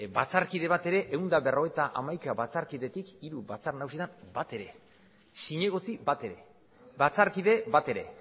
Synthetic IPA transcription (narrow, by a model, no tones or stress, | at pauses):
bat͡saɾkiðe̞βat̪e̞ɾe̞ʔeund̪aβero̞e̞t̪aʔamajkaβat͡saɾkiðe̞t̪ikiɾubat͡saɾnausit̪ambat̪e̞ɾe̞ | siɲe̞ɣ̞o̞t͡sibat̪e̞ɾe̞̰ | bat͡saɾkiðe̞bat̪e̞ɾe̞̰